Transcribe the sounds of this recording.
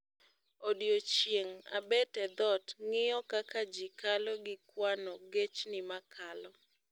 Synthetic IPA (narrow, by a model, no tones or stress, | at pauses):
odjot͡ʃjeŋa̰bɛtɛd̪ɔtŋɪjɔkakad͡ʒikalɔɡɪkwanɔɡet͡ʃnɪmakʰalɔ